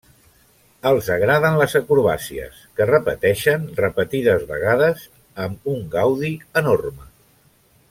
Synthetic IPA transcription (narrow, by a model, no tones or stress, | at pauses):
əlˠzəɣ̞ɾaðənləzəkuɾβa̰siə̰skərəpə̰t̪ɛʃənrəpət̪iðəzβə̰ɣ̞aðəz | əmuŋɡawðiənormə